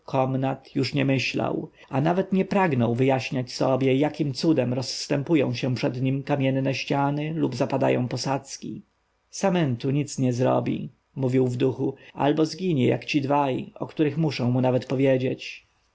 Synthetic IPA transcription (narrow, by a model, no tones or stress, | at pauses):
kʰɔmnat̪juʂɲɛmɘɕla̰w | anavɛt̪ɲɛpɾaɡnɔ̃w̃vɘjaɕɲat͡ɕsɔbʲjɛjakʲimt̪sud̪ɛmɾɔsːt̪ɛmpujɔ̰̃w̃ɕɛpʂɛd̪ɲimkamʲjɛnːɛɕt͡ɕanɘlubzapad̪a̰jɔ̰̃w̃pɔsat̪skʲḭ | samɛnt̪uɲit̪sɲɛzɾɔ̰bʲḭ | muvʲiwvd̪uxua̰lbɔzɡʲiɲɛja̰kt͡ɕid̪vajʔɔ̰kt̪uɾɘxmuʂɔ̃w̃munavɛt̪pɔvʲjed͡ʑet͡ɕ